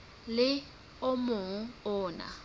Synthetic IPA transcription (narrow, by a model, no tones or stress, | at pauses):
lɪ | ʊmʊŋ̩ʊːna̰